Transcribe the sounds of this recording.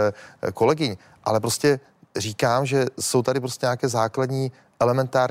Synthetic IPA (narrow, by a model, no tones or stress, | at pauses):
ko̞lɛɡɪɲ | ʔa̰lɛpɾoscɛ | riːkaːmʒɛso̞wt̪adɾɪp̬ɾoscɛɲaːkɛːzaːkladɲiː | ʔɛlɛmɛnt̪aːɾ